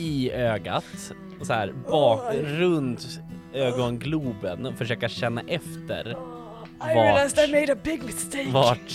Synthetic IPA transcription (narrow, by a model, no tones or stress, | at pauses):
ɪøːɡa̰t̪ | ɔsɔæːɾbɑːkɾɵnt̪øːɡɔnɡluːbənɔfœʂøːkaɕɛnːa̰ʔɛft̪ə̰ɾ | vailaɪzemeɪɾəbɪɡlt̪evaʈ